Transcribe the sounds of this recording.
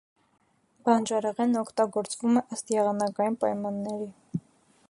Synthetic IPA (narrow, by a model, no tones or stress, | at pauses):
bɑnd͡ʒɑɾɛʁɛnɔkʰt̪ɑɡɔɾt͡svumɛʔəst̪jɛʁɑnɑkɑjinpɑjmɑnːɛɾi